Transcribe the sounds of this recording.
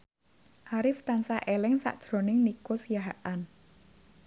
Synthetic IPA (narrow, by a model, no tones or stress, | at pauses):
ʔaɾɪft̪ansaʔelɪŋsa̰ʔd̥ɾo̤nɪŋnikosjaɦaʔan